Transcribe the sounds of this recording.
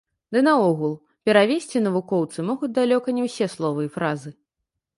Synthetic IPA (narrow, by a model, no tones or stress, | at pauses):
d̪ɨnɐɔɣulˠ | pʲɛɾavʲesʲt͡sʲinɐvukɔwt̪sɨmɔɣud͡zʲd̪alʲɔkɐnʲɛwsʲɛslˠɔvɨifɾazɨ